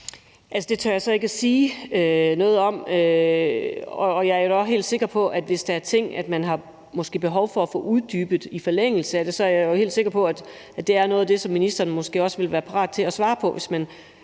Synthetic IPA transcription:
ʔælsəd̥e̝t͡sʰɶɐjasɒ̽e̝ɡ̥əæsiːønɔ̽ːðˠɒ̽mø | ɒ̽ːjɑɐjo̝d̥æɦe̝̰ːld̥se̝ɡ̥ɐpʰɒ̽ʔæd̥ʋe̝sd̥ɑæɐt͡sʰe̝ŋ̰æd̥mænɦɑ̈ | mɒ̽sɡ̥e̝̰ːb̥e̝ɦɒʊfɒ̽æfɔ̰̽ːʔuðˠd̥y̰ːb̥ð̩ˠifɒleŋ̰l̩səæd̥e̝sɒ̽æɐjɑjohe̝̰ld̥se̝ɡ̥ɐpʰɒ̽æd̥ | æd̥e̝æɐnɔ̽ːð̩ˠd̥e̝sɒ̽mːinisd̥ɐːnmɒ̽sɡ̥e̝̰ːɒ̽sʋe̝lʋæːɐpʰɑ̈ʁɑ̈ːd̥̚t͡sʰe̝æsʋɑ̈ːpʰɒ̽ʋe̝smæn

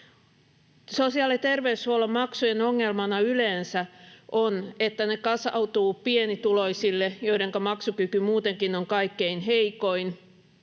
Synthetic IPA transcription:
sosiɑlit̪erʋeyshuolɑmmɑksujenoŋːelmɑnɑyleːnsæʔonet̪ːænekɑsɑ̰ut̪uːpienit̪uloisilːejoiɾeŋkɑmɑksukykymuːt̪eŋkinoŋkɑikːeinɦeikoin

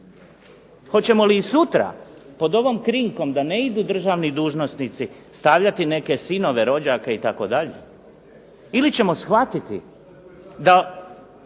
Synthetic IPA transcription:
xo̞t͡ɕe̞mo̞liːsut̪ɾa̰po̞d̪o̞ʋo̞mkɾiŋko̞md̪ane̞id̪uːd̪r̩ʒaːʋnid̪uːʒno̞snit̪si | st̪aʋʎat̪ine̞ke̞sino̞ʋe̞ɾo̞d͡ʑakeit̪ako̞̰d̪aʎḛ | ilit͡ɕe̞mo̞sxʋat̪it̪ḭ | d̪a

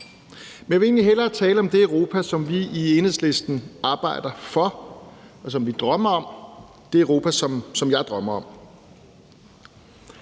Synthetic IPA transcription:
menʋe̝e̝ːnliɦel̰ɐt͡sʰɛːləɒ̽md̥e̝œʁo̝ːpʰæsɒ̽mʋiienhð̰ˠsle̝sd̥n̩ɑ̈ːb̥ɑ̈ɪ̰d̥ɐfɒ̽ | ɒ̽s̬ɒ̽mʋid̥ʁɶm̰ɐɒ̽m̰ | d̥e̝øʁo̝ːpʰæsɒ̽msɒ̽mjɑ̈ɪd̥ʁɶm̰ɐɒ̽m̰

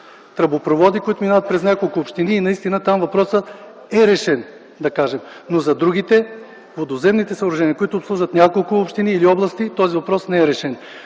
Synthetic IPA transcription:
t̪ɾɐbopɾovɔd̪ikoit̪ʊminavət̪̚pɾɛznʲakolˠkʊːpʃt̪iniːnɐist̪inət̪amvɐpɾɔsə | ɛɾɛʃɛn | d̪ɐkaʒɛm | nozɐd̪ɾuɡ̟it̪ɛ | vod̪ozɛmnit̪ɛsɐoɾɐʒɛniəkʊit̪ʊːpslˠuʒvɐt̪nʲakolˠkʊopʃt̪iniːliɔblˠɐst̪it̪ɔzivɐpɾɔsnɛɛɾɛʃɛn

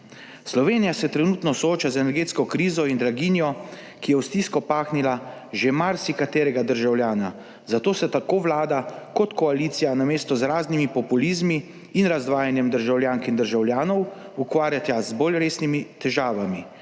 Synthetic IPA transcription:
slɔʋeːnijasɛt̪ɾɛnuːt̪nɔsɔoːt͡ʃazɛnɛɾɡeːt̪skɔkɾiːzɔind̪ɾaɡinjɔ | kijɛwst̪iːskɔpaːxnila | ʒemaɾsikat̪eːɾɛɡad̪əɾʒawljaːna | zat̪oːsɛt̪akoːʋlaːd̪akɔt̪kɔaliːt̪sijanameːst̪ɔzɾaːznimipɔpulizmiː | nɾazd̪ʋaːjanjɛmd̪əɾʒawlʲjaːŋkind̪əɾʒawljaːnɔw | ukʋaːɾjat̪azbolɾeːsnimit̪ɛʒaːʋami

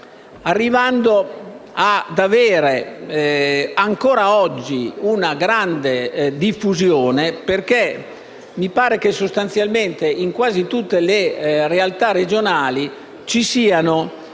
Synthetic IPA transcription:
arːivand̪oad̪aveːɾe | aŋkoːɾaɔd͡ʒːiunaɡɾand̪ed̪ifːuzjoːneperke | mipaːɾek̟esːost̪ant̪sjalment̪eiŋkwaːzit̪ut̪ːelerealt̪ared͡ʒonaːli | t͡ʃisiːano

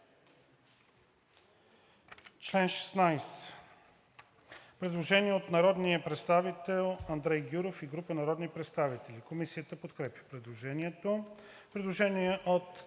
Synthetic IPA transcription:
t͡ʃlɛnʃɛ̥snajs | pɾɛd̪lˠoʒɛniɛot̪nɐɾɔd̪nijəpɾɛt̪st̪avit̪ɛlˠɐnd̪ɾɛjɡʲuɾofiɡɾupənɐɾɔd̪nipɾɛt̪st̪avit̪ɛlikomisiət̪əpot̪kɾɛpʲjə̥pɾɛd̪lˠoʒɛniɛt̪o | pɾɛd̪lˠoʒɛniɛʔot̪

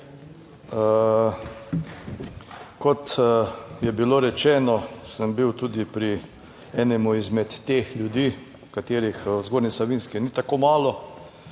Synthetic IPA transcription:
kɔt̪ | jɛbiloɾɛt͡ʃɛːnɔsəmbiwt̪uːd̪ipɾi | ɛːnɛmuizmɛt̪ːeːxljud̪iː | kat̪eːɾixzɡoːɾnisaʋinskinit̪akomaːlɔ

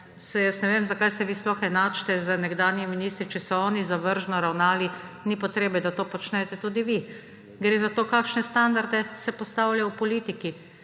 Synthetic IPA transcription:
sɛjəsnɛʋeːmzakajsɛʋisplɔxɛnaːt͡ʃt̪ɛzənɛɡd̪aːnjiminist̪ɾit͡ʃɛsɔɔːnizaʋəɾʒnɔɾawnaːlinipɔt̪ɾeːbɛd̪at̪oːpɔt͡ʃnɛt̪ɛt̪uːd̪iʋi | ɡɾeːzat̪oːkaːkʃnɛst̪and̪aɾd̪ɛsɛpɔst̪awlajɔwpɔliːt̪iki

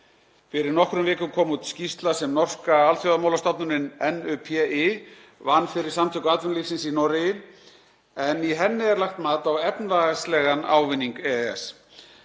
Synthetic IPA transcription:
fɪɾɪɾnɔhkɾʏmvɪːkʏmkʰɔːmut̪scist̪lasɛmnɔr̥kaaːlθjɔwðamaːwlast̪ap̪nʏɾɪnɛnœpʰɛɪ | vanːfɪɾɪ̥samt̪ʰʏhkat̪vʏnlifsɪnsinɔɾɪjɪ | ɛniɦɛnːɪɛɾlaxt̪maːt̪awɛpnvaɣast̪lɛɣana̰ːwvɪnːiŋkɛɛ̰s

